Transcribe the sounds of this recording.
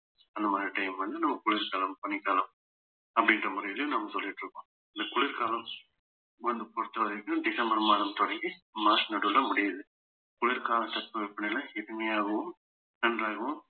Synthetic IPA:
ɐnd̪ɐmaːd̪ɾiʈɐɪmʋɐnd̪ɯnɐmːɐkʊɭɪɾkaːlɐmpɐɳːɪkːaːlɐm | ɐpːɐɽɪndrɐmʊɾɐjɪlɐjʊ̃mnɐmːɐsɔlːɪʈːɾɯkːõː | ɪnd̪ɐkʊɭɪɾkaːlɐm | ʋɐnd̪ɯpɔɽɯt̪ːɐʋɐðɐkːɯ̃ɖɪsɐmbɐɾmaːðɐmt̪ɔɽɐŋɡimaːsnɐʈʊlːɐmʊɽɪjɐðɯ | kʊɭɪɾkaːlɐmt̪ɐpːɯʋɛpːɐɳɐɪlɐɪɾɐŋɐjaːɣɐʋɯm | nɐnraːɣɐʋʊ̃

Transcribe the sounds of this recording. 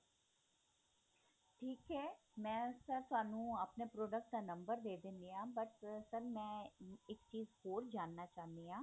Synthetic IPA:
ʈʰiːkɦɛː | mɛ̃ːsəɾt̪ʊaːnũːəpnepɾoːɖək̚ʈ̚d̪aːnə̃mbəɾd̪eːd̪ẽːnd̪iãːbəʈsəɾmɛ̃ːɪkt͡ʃiːzhoːɾd͡ʒaːnːaːt͡ʃaːɦnd̪iːãː

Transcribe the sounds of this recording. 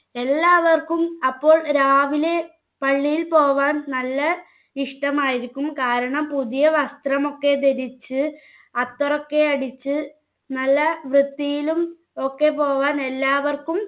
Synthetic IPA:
e̞lːaːʋɐrkumɐpːo̞ːɭɾaːʋile | pɐɭːijilpoːʋaːnnɐlːɐ | iʂʈɐmaːjiɾikʲːumkaːɾɐɳɐmpuðijɐʋɐst̪rɐmo̞kːe̞d̪eɾit͡ɕːɨ | ɐt̪ːurɐkːe̞ɐɽit͡ɕːɨ | nɐlːɐʋrɨt̪ːijilum | o̞kːe̞po̞ːʋaːne̞lːaːʋɐrkum

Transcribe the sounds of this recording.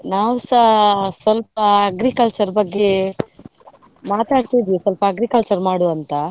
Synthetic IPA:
naːʋsɐsʋɐlp̚ɐːɡɾikɐlt͡ʃɐɾbɐɡːe̞ | maːt̪aːɽt̪id̪ʋisʋɐlpɐːɡɾikɐlt͡ʃɐɾmaːɽuɐnt̪ɐ

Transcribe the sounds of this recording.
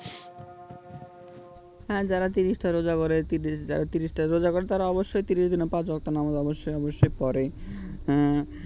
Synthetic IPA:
ɦɛ̃ːd͡ʑaɾat̪iɾiʃʈʰaɾod͡ʑakoɾet̪iɾid͡ʑa̰ɾat̪iɾiʃʈaɾod͡ʑakoɾet̪aɾaɔboʃːojt̪iɾiʃd̪inepad͡ʑɔkt̪onamad̪ɔboʃːojɔboʃːojpɔɾeɦɛ̃

